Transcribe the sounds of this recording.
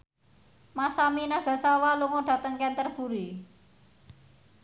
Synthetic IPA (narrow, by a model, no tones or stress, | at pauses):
masaminaɡ̥a̤sawaluŋoɖ̥ä̤t̪əŋkɛnt̪ərb̥uɾi